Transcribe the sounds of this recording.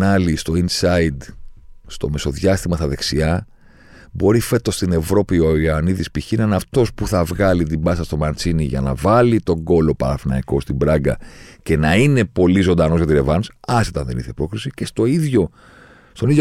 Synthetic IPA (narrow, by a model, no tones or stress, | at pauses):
nɐlist̪o̞insɐid̪st̪o̞me̞so̞ðʝɐst̪imɐst̪ɐðe̞ksiɐ | bo̞ɾife̞t̪o̞st̪ine̞vɾo̞pioɐniðispiçinɐnɐft̪o̞spuθɐvɣɐlit̪ibɐsɐst̪o̞mɐɾt͡siniʝɐ̰nɐ̰vɐlit̪o̞ŋɡo̞lo̞pɐ̰ɾɐfnɐiko̞st̪ibɾɐɡɐ̰ce̞nɐine̞po̞lizo̞nd̪ɐnozʝɐt̪iɾe̞vɐnosɐsit̪ɐnðe̞̰niθepɾo̞kxɾisicest̪o̞iðʝo̞ | st̪o̞niðjo